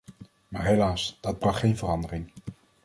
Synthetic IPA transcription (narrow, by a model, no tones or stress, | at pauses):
maːɹɦejlaːsd̥ɑd̚brɑχːejnvərɑndərɪŋ